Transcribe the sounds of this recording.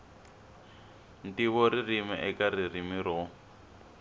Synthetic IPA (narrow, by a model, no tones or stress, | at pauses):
ntiβɔɾirimɛʔɛkaririmiɾɔ